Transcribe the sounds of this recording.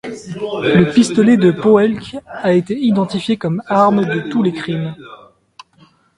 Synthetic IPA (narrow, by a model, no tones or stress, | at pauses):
ləpist̪ɔled̪əpoɛlkaet̪eid̪ɑ̃t̪ifjekɔmaʁmd̪ət̪ulekχim